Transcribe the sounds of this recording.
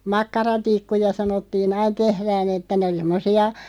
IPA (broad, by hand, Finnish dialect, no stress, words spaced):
mɑkːɑrɑtikːujɑ sɑnotːiːn ɑin tehræːn etːæ nĕ oli semːosiɑ